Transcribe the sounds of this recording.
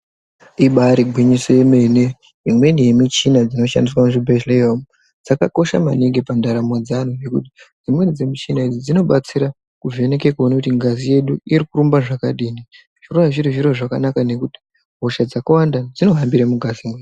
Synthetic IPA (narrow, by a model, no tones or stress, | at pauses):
iɓaɾiɡʱwiɲiseme̞ne | imwe̞nijemit͡ʃinad͡zino̞ʃa̰ndis̬wamuʐibʱeʃleom | d͡zaka̰ko̞ʃa̰maniŋɡepandaɾamod͡zanuʐe̞kṵti̥d͡zimwe̞d͡zemit͡ʃinaid͡zid͡zino̞ɓat͡siɾa | kuve̞ne̞kekuonakutiŋɡazije̞ɗuiɾikuɾumbaʐakaɗiːni | ʐ̥iroaʐiɾiʐiɾoʐakanakane̞kuti̥ | ɦoʃad͡zakawandad͡zino̞ɦambiɾamuɡʱazimwe